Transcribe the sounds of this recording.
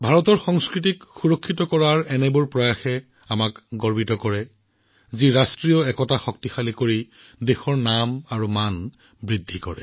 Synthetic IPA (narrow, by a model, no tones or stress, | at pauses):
bʱaɹɔtɔɹxɔŋskɹit̬ikxuɹɔkʰːitɔkɔɹaɹɛnɛbʊɹpɹɔjaxɛ | amakɡɔɹbitɔkɔɹɛ | ziɹastɹiɔɛkɔtaxɔk̚tixalikoɹi | dexɔɹnamaɹuman | bɹidʱːikɔɹɛ̰